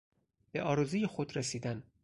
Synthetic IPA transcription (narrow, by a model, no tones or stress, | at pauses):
b̥eʔɒːɾuːzijexod̪ɾesiːd̪æn